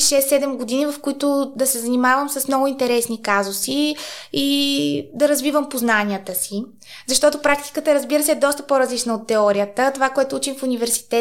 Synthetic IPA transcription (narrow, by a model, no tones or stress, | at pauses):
ʃɛsːɛd̪ɛmɡod̪inivəfkʊit̪ʊd̪ɐsɛzɐnimavəmsəsmnɔɡʊint̪ɛɾɛsnikazʊsiid̪ɐɾɐzvivəmpoznaniət̪əsi | zɐʃt̪ɔt̪opɾak̚t̪i̥kət̪əɛɾəzbiɾəsɛːd̪ɔst̪əpoɾɐzlit͡ʃnəot̪ːɛɔɾiət̪ət̪ovakoɛt̪ʊut͡ʃimfunivɛɾsi̥t̪ɛ